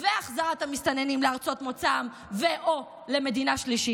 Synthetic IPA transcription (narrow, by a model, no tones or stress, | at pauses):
veaχzaʁat̪amist̪ane̞nimleaʁt͡so̞t̪mo̞t͡sam | veʔo | le̞me̞d̪inaʃliʃi